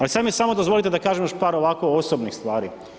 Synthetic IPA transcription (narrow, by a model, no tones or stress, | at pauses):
alisad̪mijesamod̪ozʋo̞lit̪ed̪akaːʒemjoʃpaːɾoʋako̞osobnixst̪ʋaːɾḭ